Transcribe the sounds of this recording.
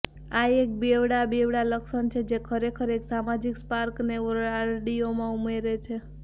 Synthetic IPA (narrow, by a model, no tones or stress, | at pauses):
ajek̚bewɽabeʋɽaləksənt͡ʃʰed͡ʒekʰəɾekʰəɾeksamad͡ʒikspaɾkneaɾɖiomãumeɾet͡ʃʰe